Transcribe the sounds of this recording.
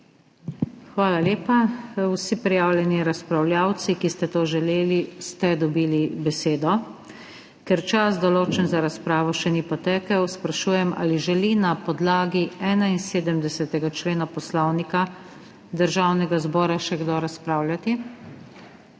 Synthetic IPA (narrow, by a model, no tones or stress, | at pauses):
xʋaːlaleːpawsipɾijaːwljɛniɾaspɾawlʲjaːwt̪sikist̪ɛt̪oːʒɛleːlist̪ɛd̪ɔbiːlibɛseːd̪ɔ | kɛɾt͡ʃas̬d̪ɔloːt͡ʃɛnzaɾaspɾaːʋɔʃɛnipɔt̪ɛːkəwspɾaʃuːjɛmʔa̰liʒɛlinapɔd̪laːɡiɛːnainseːd̪əmd̪ɛsɛt̪ɛɡat͡ʃleːnapɔslɔwnika | d̪əɾʒaːwnɛɡazbɔːɾaʃɛɡd̪oɾaspɾaːwlʲjʲat̪i